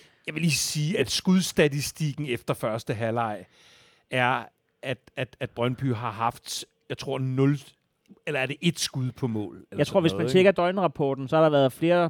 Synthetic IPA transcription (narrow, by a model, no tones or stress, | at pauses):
jɑ̈ɪʋe̝liːsiːæd̥sɡ̥uðˠsd̥æt͡sisd̥iɡ̥n̩efd̥ɐfɶɐsd̥əɦælɑ̈ɪ̰ | æɐ | ʔæd̥æd̥æd̥̚b̥ʁɶnb̥y̰ɦɑ̈ɦɑ̈fd̥ | jɑɪt͡sʰʁo̝ɐ̰nɔ̽l | elɐæɐd̥e̝ʔe̝d̥sɡ̥uðˠpʰɒ̽mɔ̰̽ːlɑɪt͡sʰʁo̝ɐ̰ʋesmænt͡sʰeɡ̥ɐd̥ɒ̽ɪnəʁɑ̈pʰɒ̰ːd̥n̩sɒ̽hɑ̈ɾ̥ɑ̈ʋæɐð̩ˠfle̝ːɐ